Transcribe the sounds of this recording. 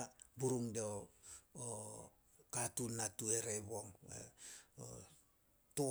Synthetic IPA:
buɾuŋdeoo | katunatueɾeβoŋwḛo̰ | to

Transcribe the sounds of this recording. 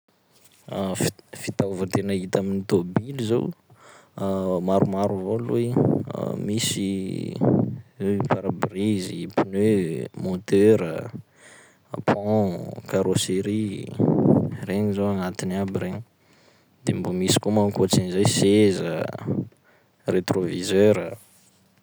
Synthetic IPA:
ffit̪avət̪enəit̪aminit̪obilizḛw | maɾumaɾuvolṵḭ | misi | paɾabrizipunømot̪øɾə | pʰɔ̃kaɾoseɾi | reɲizowanat̪inabiɾeɲi | d̪̥embomisi̥komankot͡sinizajsezə̰ | ret̪rovizøɾə

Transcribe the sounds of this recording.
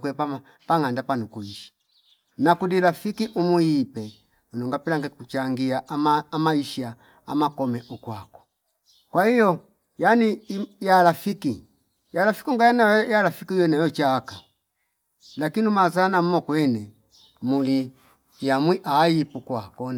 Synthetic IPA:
kwɛpa | paŋandapanukuiʃi̥ | nakudilafikiʔumuipɛ | unuŋɡapɛlaŋɡɛkut͡ʃaŋɡiaʔmaːmaiʃia | a̰makɔmɛʔukwakɔ̥ | kwahijɔ | janijalafiki | jalafi̥kiuŋɡajanajalafikiujɔnajɔt͡ʃaːka | lakiniumazanam̩mɔkwɛnɛ | muli | jamwiʔaːjipukwakɔn

